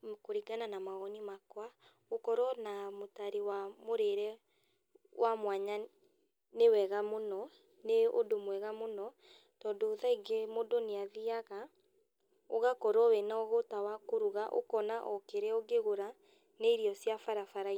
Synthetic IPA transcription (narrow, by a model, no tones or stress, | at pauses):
koɾiɡananamaɣɔnimakwa | okɔɾɔnamotaɾewamoɾeɾɛ | wʔamwaɲa | newɛɣamonɔ | neodomwɛɣamonɔ | tɔːndoːðaiɡemodoneaðiaɣa | oɣakɔɾɔwɛnaɔɣotawakoɾuɣaʔo̰kɔnaʔɔkeɾɛɔɡeɣoɾa | neiɾiɔsjafaɾafaɾai